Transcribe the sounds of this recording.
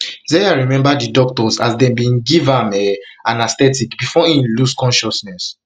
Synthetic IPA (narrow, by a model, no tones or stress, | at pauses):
zɛaɹimɛ̃mbadidɔktɔsazdɛ̃mbĩnɡivãmɛãnastɛtikbifɔĩmluskɔ̃nʃɔsnɛs